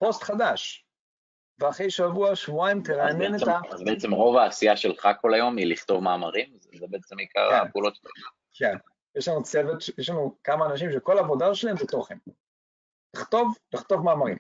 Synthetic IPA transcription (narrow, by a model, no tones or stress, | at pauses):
po̞st̪χadaʃ | veaχejʃavuaʃvuaimt̪elanenetaazbeɛt͡semʁo̞vaːsijaʃelχako̞lajo̞miliχt̪o̞vmaːmaʁimzzebeet͡semikʰa̰ʁapeulot̪t̪ḛa | ken | jeʃlanut͡sevet̪ʃjeʃlanukamaːnaʃ̬imʃ̬eko̞laːvo̞daʃelaembet̪oχem | liχt̪o̞vliχt̪o̞vmaːmaʁḭm